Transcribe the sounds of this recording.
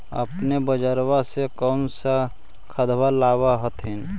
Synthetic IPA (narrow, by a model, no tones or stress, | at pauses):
ə̰pnebəd͡ʒəɾwasekəmsa | kʰəd̪balaːwaɦət̪ʰɦin